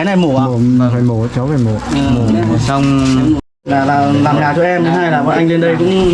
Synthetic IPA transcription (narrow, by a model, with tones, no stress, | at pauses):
na˨˩jmo˧˩˨mo˧˩aː˨˩va˨˩jmo˧˩˨t͡ɕɔ˨˦wva˨˩mo˨˧˩mo˨˩˨sa˧wŋ͡m | laː˨˩laː˨˩laː˨˩mɲaː˨˩t͡ɕɔ˧ʔɛ˧mt̪a˨˦ɦaː˧jlaː˨˩vəː˨˦ʔa˧ŋle˧nɗə˧jkʊ̰˧˥ŋ͡m